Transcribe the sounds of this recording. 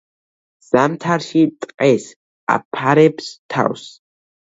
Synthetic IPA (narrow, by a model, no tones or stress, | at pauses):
z̥amt̪ʰaɾʃit̪ʼqʼɛs | a̰pʰːaɾɛpst̪ʰa̰ws